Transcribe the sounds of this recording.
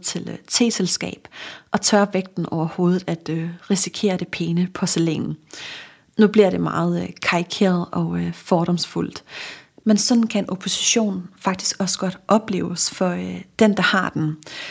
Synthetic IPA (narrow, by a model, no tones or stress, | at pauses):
t͡sʰe̝lt͡sʰe̝̰ːselsɡ̥ɛ̰ːb̥ʔɒ̽t͡sʰɶɐʋeɡ̥̚d̥n̩ʔɒʊɐho̝ːð̞ˠð̩ˠæd̥øʁisikʰe̝̰ːɐɾ̥e̝pʰeːnəpʰɒ̽sele̝̰ːnn̩ | nub̥liɐ̰ɾ̥e̝mɑ̈ːð̞̩ˠkʰɑ̈ikʰe̝̰ːɐð̞̩ˠɒ̽fɒːɾ̥ɒ̽msful̰d̥mensɒ̽d̥n̩kʰæenʔo̝pʰo̝si̥ɕo̝̰ːnfɑ̈ɡ̥̚d̥isɡ̥ɒ̽sə̥ɡ̥ɒ̽d̥ʔɒ̽b̥le̝̰ːʊsfɒ̽d̥end̥ɑ̈hɑ̈d̥en